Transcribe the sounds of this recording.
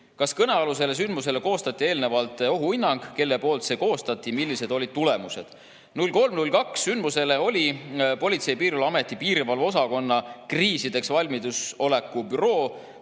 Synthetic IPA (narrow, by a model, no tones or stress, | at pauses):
kɑskɤneɑlus̬e̞le̞s̬ynd̪mus̬e̞le̞ko̞ːst̪ɑt̪ʲːˑie̞ːlne̞vɑlt̪ːˑo̞ɦuinːɑŋɡ̥ke̞lːe̞po̞ːlt̪se̞ko̞ːst̪ɑt̪ʲːˑimilːise̞d̪̥o̞lʲid̪̥̚t̪ule̞muse̞d̪̥ | nulʲko̞lmnulʲkɑksːynd̪muse̞le̞o̞lʲipo̞lʲit̪se̞jpiːɾivɑlɑme̞t̪ːˑipiːɾivɑlvo̞sɑko̞nːɑkriːsid̪̥e̞ksvɑlʲmid̪uso̞le̞kːˑubyɾo̞ː